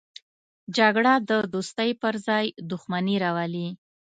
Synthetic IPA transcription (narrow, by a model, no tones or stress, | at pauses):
d͡ʒaɡɽad̪əd̪ost̪əjpəɾzɑjd̪ʊxmaniɾawali